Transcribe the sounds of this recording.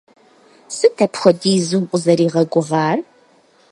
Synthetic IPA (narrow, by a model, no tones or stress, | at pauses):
sɨtʰɐpxʷɔdiːzumqʷʼʊzɐɾiːʁɐɡʷʊʁɑːr